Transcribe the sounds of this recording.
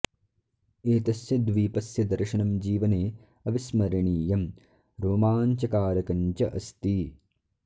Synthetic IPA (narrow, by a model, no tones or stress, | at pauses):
eːt̪ɐsjɐd̪ʋiːpɐsjɐd̪ɐɾʃɐnɐmd͡ʒiːʋɐneː | ɐʋismɐɾɐɳiːjɐm | ɾoːmaːɲt͡ʃɐkaːɾɐkɐɲt͡ʃɐʔɐst̪i